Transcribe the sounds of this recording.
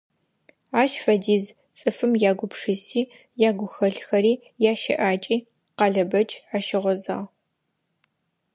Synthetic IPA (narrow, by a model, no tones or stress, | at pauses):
aːʃfɐdiːz | t͡sʼɨfɨmjaːɡʷʊpʂɨsiː | jaːɡʷʊxɐɬxɐɾiː | jaːʃɪ̰ʔaːt͡ʃʼiː | qɑɮɐbɐt͡ʃʼaʃɪʁʷɔza̰ːʁ